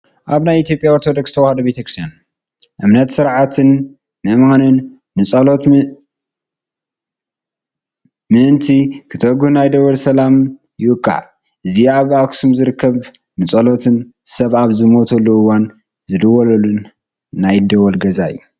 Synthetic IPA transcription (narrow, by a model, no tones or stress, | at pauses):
ʔaβnajit̪jo̞pʼjaoɾt̪ʰod̪o̞kst̪ʰɐwahɐd̪ɐbet̪ʰɐkɾist̪jan | ʔɨmnɐt̪sɨɾʕat̪ʰɨn | mɐmanɨnː | ɨt͡sʼɐlot̪ | mɨʔɨnt̪ʰikʰɨt̪ʰɐɡunajd̪ɐwɐlsɐlam | jɪʔɨkʼːa̰ʕ | ʔɨziaβaksumzɨɾɨkːɐβnɨt͡sʼɐlot̪ʰɨnsɐβaβzɨmot̪ʰɐlːuɨwan | zɨd̪ɐwɐlɐlːunː | ajd̪ɐwɐlɡɐzaɨ̰jːu